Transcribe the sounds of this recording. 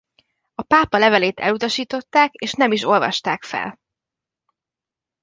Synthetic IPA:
ɒpaːpɒlɛvɛleːt̪ɛ̰lut̪ɒʃiːt̪o̞t̪ːaːkeːʃnɛmiʃo̞lvɒ̰ʃt̪aːkfɛ̰l

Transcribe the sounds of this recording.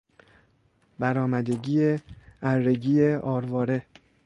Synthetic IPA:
bæɾɒːmæd̪e̞ɟiːeæɾːe̞ɟiːjeʔɒːɾvɒːɾe̞

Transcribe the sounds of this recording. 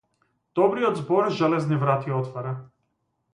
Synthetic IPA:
d̪̥ɔbɾijɔd̪zbɔɾʒɛlɛznivɾat̪iɔt̪vaɾa

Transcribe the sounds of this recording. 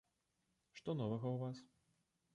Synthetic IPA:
ʂt̪ɔnɔvɐɣɐwvas

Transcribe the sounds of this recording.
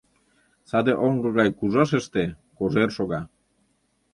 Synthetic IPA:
sad̪eʔoŋɡoɣajkuʒaʃ̬eʃt̪e | koʒeɾʃoɣa

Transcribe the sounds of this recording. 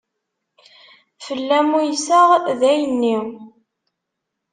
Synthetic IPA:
fəlːæmujsəʁðæjənːi

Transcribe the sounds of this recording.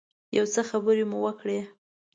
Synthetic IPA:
jawt͡səxabəɾemuwəkɽe

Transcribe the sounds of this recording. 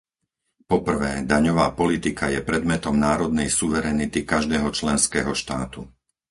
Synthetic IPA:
pɔpr̩ʋɛːd̪aɲɔʋaːpɔlit̪ikajɛpɾɛd̪mɛt̪ɔmnaːɾɔd̪̚nɛjsuʋɛɾɛnit̪ikaʒd̪ɛːɦɔt͡ʃlɛnskɛːɦɔʃt̪aːt̪u

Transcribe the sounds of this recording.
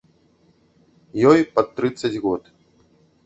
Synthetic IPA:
jɔjpɐt̪ːɾɨt̪sːɐd͡zʲɣɔt̪

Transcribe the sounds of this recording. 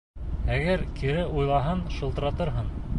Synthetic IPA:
æɡæɾkʰiɾɘʔujlˠɑɦɤnʃɤ̆lˠt̪ɤ̆ɾɑt̪ɤ̆ɾɦɤn

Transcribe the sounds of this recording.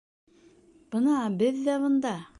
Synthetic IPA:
b̥ɤnɑbɘðːæβŏnd̪ɑ

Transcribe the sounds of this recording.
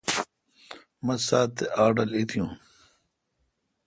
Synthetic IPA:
mɐ̃saːt̪ːeaːɖɐlit̪ʰijũː

